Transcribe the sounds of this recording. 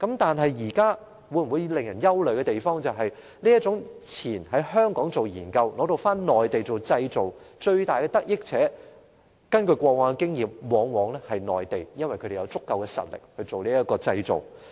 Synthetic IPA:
kɐ˨˥mt̪aː˨nɦɐ˨jjiː˨˩kaː˥ | wu˨˥jwuː˨˧ji˨˧lɪ˨˩ŋjɐ˨˩njɐ˥wlɵ˨˧ɥkɛː˧t̪e˨jfɔː˥ŋt͡sɐ˨wɦɐ˨j | liː˥jɐ˥t̚t͡sʊ˨˥ŋt͡sʰiː˨˩nɦɐ˨˥jhœː˥ŋkɔː˨˥ŋt͡so˨wjiː˨˩nkɐ˧wlɔː˨˧t̪o˨˧wfaː˥nnɔː˨jt̪e˨jt͡so˨wt͡sɐ˧jt͡so˨wt͡ʃɵ˧ɥt̪aː˨jkɛ˧t̪ɐ˥k̚jɪ˥k̚t͡sʰɛː˨˥ | kɐ˥nkɵ˧ɥkʷɔː˧k̚waː˨˥kɛ˧kɪ˥ŋjiː˨mwɔː˨˧ŋwɔː˨˧˥ŋlɛː˥hɐ˨jnɔː˨jt̪e˨jjɐ˥nwɐ˨˩jkʰɵ˧ɾe˨jɐ˧wt͡sʊ˥kːɐ˨˧wkɛː˧sɐ̰˨t̚lɪ̰˨˩k̚hɵ˧ɥt͡so˨wliː˥jɐ˥t̚kɔː˧t͡sɐ˧jt͡so̰˨˩w

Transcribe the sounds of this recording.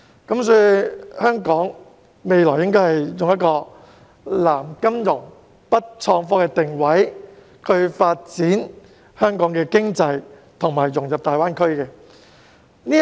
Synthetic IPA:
kɐ˨˦˥msɔː˧hœː˥ŋkɔː˨˥ŋ | me˨˧jlɔː˨˩jɪ˥ŋkɔː˥jhɐ˨jjʊ˨ŋjɐ˥t̚kɔː˧ | laː˨˩mkɐ˥mjʊ˨˩ŋ | pɐ˥t̚t͡ʃʰɔː˧ŋfɔː˥kɛː˧t̪ɪ˨ŋwɐ˨˥j | kʰɵ˧ɥfaː˧t̚t͡siː˨˥n | hœː˥ŋkɔː˨˥ŋkɛː˧kɪ˥ŋt͡sɐ˧j | t̪ʰʊ˨˩ŋmaː˨˩jjʊ˨˩ŋjɐ˨p̚t̪aː˨jwaː˥nkʰɵ˥ɥkɛː˧ | niː˥

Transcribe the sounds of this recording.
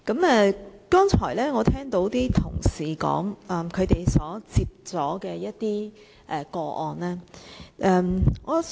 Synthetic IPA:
kɐ˨˥mɛː˨˧kɔː˥ŋt͡ʃʰɔː˨˩jlɛː˥ŋɔː˨˧t̪ʰɛː˥ŋt̪o˨˥wt̪iː˥t̪ʰʊ˨˩ŋsiː˨˩kɔ̰ː˨˥ŋɐː˧mkʰɵ˨˧ɥt̪e˨jsɔː˨˥t͡siː˧p̚t͡sɔː˨˥kɛː˧jɐ˥tt̪iː˥ | ʔɛ˨kɔː˧ʔɔː˨nlɛː˥ʔːmŋɔː˨˧

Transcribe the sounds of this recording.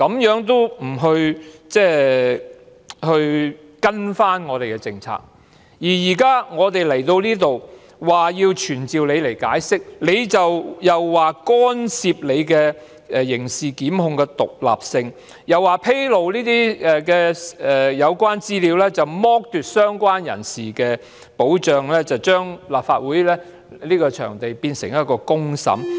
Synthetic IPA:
kɐ˨˧˥mjœː˨˥ŋt̪̬o˥wm̩˨˩ɦɵ˧ɥt͡sɛː˥ | hɵ˧ɥ | kɐ˥nfaː˥nŋɔː˨˧t̪e˨jkɛ˧t͡sɪ˨ŋt͡sʰa̰ː˨˩k̚ | jiː˨˩jiː˨˩kaː˥ŋɔː˨˧t̪e˨jlɐ˨˩jt̪o˧wniː˥t̪o˨w | waː˨jiː˧wt͡ʃʰyː˨˩nt͡siː˨wle˨˧jle˨˩jka̰ː˨˥jsɪ˥k̚le˨˧jt͡sɐ˨wjɐ˨wːaː˨kɔː˥nsiː˧p̚le˨˧jkɛ˧ | ɛ˨jɪ˨˩ŋsiː˨˩kiː˨˥mhʊ˧ŋkɛː˧t̪ʊ̰˨k̚la̰ː˨p̚sɪ˧ŋ | jɐ˨wːaː˨˩pʰe˥jlo˨wliː˥t̪iː˥ɛ˨kɛː˧ɛ˨jɐ˨˧wkʷwaː˥nt͡siː˥liː˨˧wlɛː˥t͡sɐ˨wmɔː˥k̚t̪yː˨t̚sœː˥ŋkʷaː˥njɐ̰˨˩nsiː˨kɛː˧ | po˨˥wt͡ʃœː˨ŋlɛː˥t͡sɐ˨˩wt͡ʃœː˥ŋlaː˨p̚fa̰ː˧t̚wuː˨˥jlɛː˥ | liː˥kɔː˧t͡ʃʰœ̰ː˨˩ŋt̪e˨jpiː˧nsɪ˨˩ŋjɐ˥t̚kɔː˧kʊ˥ŋsɐ̰˨˥m

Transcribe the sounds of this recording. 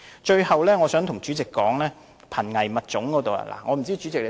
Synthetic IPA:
t͡ʃɵ˧ɥhɐ˨wlɛː˥ŋɔː˨˧sœː˨˥ŋt̪ʰʊ˨˩ŋt͡ʃyː˨˥t͡sɪ˨kːɔː˨˥ŋlɛː˥ | pʰɐ˨˩nŋɐ˨˩jmɐ˨t̚t͡ʃʊ˨˥ŋkɔː˨˥t̪o˨wɐ̰˧la̰ː˨˩ŋʔɔː˨˧m̩˨˩t͡siː˥t͡ʃy˨˥t͡sɪ˨k̚le˨˧

